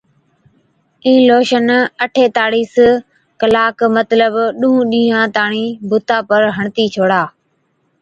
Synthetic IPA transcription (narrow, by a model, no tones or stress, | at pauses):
ĩːloːʃənəʈʰeːt̪aːɽiːs | kəlaːkmət̪ləbɗũːũɗĩːɦãːt̪aːɳiːbʱʊt̪aːpəɾɦəɳt̪iːt͡ʃʰoːɽaː